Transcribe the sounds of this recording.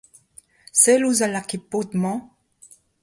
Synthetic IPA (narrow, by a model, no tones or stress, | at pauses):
sɛluzalakipot̪mɑ̃